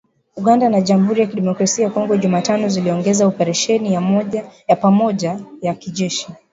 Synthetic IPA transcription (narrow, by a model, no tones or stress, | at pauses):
uɠandanaʄamuɦuɾijakiɗɛmɔkɾasiakɔŋɡɔʄumaːtanɔziliɔŋɡɛzaɔpɛɾɛʃɛnijamɔʄajapamɔʄajakiʄɛʃi